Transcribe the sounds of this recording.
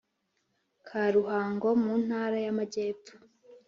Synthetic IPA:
kʰaɾuɦaːŋɡo̞mun̥haːɾajamaɟe̞ːp̪o̥

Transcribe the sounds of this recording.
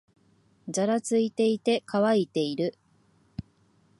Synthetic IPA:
d͡ʑaɾat͡sɨit̪e̞it̪e̞kʰaβait̪e̞iɾɯ̟

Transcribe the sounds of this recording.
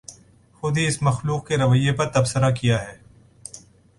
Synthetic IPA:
xʊd̪ʱiɪsmɐxluːq̚keɾɐʋəjːepɐɾt̪ɐbsəɾakijaɦɛː

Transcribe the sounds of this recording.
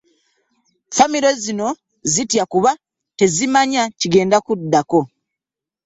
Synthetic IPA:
famiɾo̞zino̞ | zitjakuβa | te̞zimaɲaciɡe̞ːndakudːako̞

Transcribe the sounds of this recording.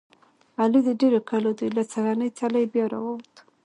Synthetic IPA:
alid̪əɖeɾokalod̪ujlat͡saɣanəjt͡saləjbjɑɾa̰wowt̪

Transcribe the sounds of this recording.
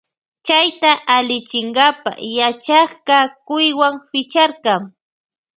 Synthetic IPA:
t͡ʃajt̪aʔalɪt͡ʃɪŋɢɑpa̰jat͡ʃɑχkakʊjwaŋfɪt͡ʃaɾqɑŋ

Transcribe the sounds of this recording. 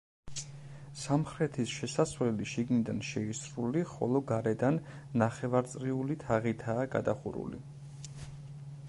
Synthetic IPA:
samχɾɛt̪ʰisʃɛsasvlɛliʃiɡnid̪anʃɛisɾuliχɔ̰lˠɔɡaɾɛd̪anː | aχɛvaɾt̪sʼɾiulit̪ʰaʁit̪ʰaːɡa̰d̪aχṵɾṵlḭ

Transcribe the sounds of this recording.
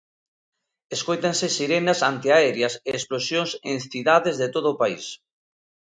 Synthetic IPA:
eskojt̪aŋsɪsiɾenasant̪iaɛɾjɐseːsplosjõŋsẽŋθiðaðezðet̪oðʊːpaḭs

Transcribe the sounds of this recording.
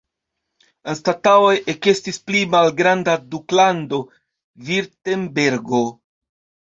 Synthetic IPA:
enstatao̞je̞ke̞stisplimalɡɾandaduklando̞ | viɾtembe̞ɾɡo

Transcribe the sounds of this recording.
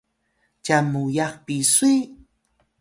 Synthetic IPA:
t͡ʃamujaχpisuj

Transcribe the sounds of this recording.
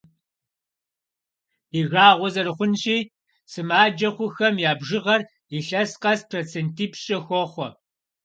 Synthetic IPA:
iɣaːʁʷɔzɐɾɨχʷʊnɕʼiː | sɨmaːd͡ʒɐχʷʊxɐmjaːbʒɪʁɐr | iɬɐsqɐspʰroːt͡sʰeːntʰiːpɕʼɐxʷɔχʷɔ

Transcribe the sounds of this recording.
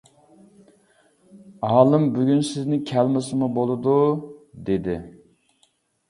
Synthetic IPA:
ɑːlˠɨmbyɡʲynsɪznɪŋkʲʰælmɪsɨmubolˠɨd̪ud̪ed̪ɪ̰

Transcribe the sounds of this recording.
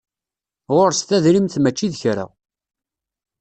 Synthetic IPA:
ʁoɾst̪æðɾimθmæt͡ʃːiðçɾa̰

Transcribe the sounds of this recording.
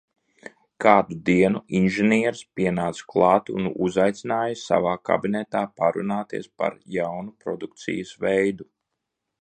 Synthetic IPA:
kaːd̪ud̪iɛnuinʒɛniɛɾspiɛnaːt̪sklˠɑːt̪iṵnṵzajt̪sʲinaːjɐsa̰vaːka̰binɛt̪aːpaɾṵnaːt̪ḭɛspa̰ɾjawnupɾɔd̪uk̚t̪sḭjɐsvɛjd̪u

